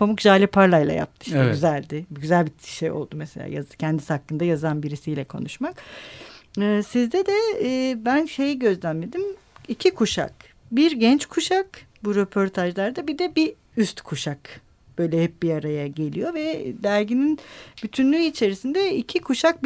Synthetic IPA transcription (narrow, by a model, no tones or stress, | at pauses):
pʰomukʒaːlʲipʰaɾlˠajlˠa̰ja̰p̚t̪ʰɯ̥ʃɟyzælʲd̪ɪbɟyzælʲbiʃejo̞̰lˠd̪umeselʲa̰ːjacʰɛnd̪ishakːɯnd̪ajazanbiɾisijlʲɛkʰo̞̰nuʃmak | ɯːsizd̪ɛd̪ɛbænʃe̞jiɟø̞zlʲænme̞d̪im | icʰikʰuʃa̰k | biɾɟɛnt͡ʃkʰuʃak | buɾepʰo̞ɾt̪ʰaʒlˠaɾd̪abid̪ɛbi | yst̪kʰuʃak | b̥ø̞jlʲɛhɛp̚biaɾajaɟe̞lʲḭjo̞vɛd̪æɾɟininb̥yt̪ʰynlʲyit͡ʃʰe̞ɾisind̪ɛicʰikʰuʃak̚b